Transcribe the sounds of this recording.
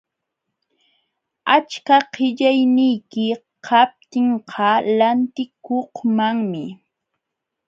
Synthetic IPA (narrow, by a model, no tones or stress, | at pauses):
at͡ʃkaqɪʎajnɪjkɪ | qʰap̚t̪ɪɴqʰɑlant̪ɪkohmaŋmɪ